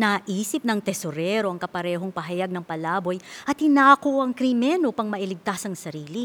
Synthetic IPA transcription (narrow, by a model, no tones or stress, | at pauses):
nɐʔiːsɪp̚nɐŋt̪ɛsoɾɛɾo̞ʔɐŋkɐpɐɾɛːɦo̞ŋpɐɦɐjaɡ̚nɐŋpɐlaːbo̞jʔɐt̪̚hɪnaːkoʔɐŋkɾɪmɛnopɐŋmɐʔilɪɡ̚t̪asɐŋsɐɾiːli